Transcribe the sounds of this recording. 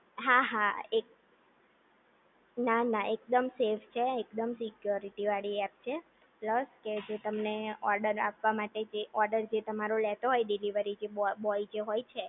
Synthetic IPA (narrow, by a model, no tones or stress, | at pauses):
ɦaɦaek̚ | nanaʔekd̪əmseft͡ʃʰeekd̪əmsikjoɾiʈiʋaɭiɛp̚t͡ʃʰe | pləsked͡ʒet̪əmneɔɾɖəɾapʋamaʈed͡ʒeʔɔɾɖəɾd͡ʒet̪əmaɾolɛt̪oɦɔjɖiliʋəɾid͡ʒebɔid͡ʒeɦojt͡ʃʰe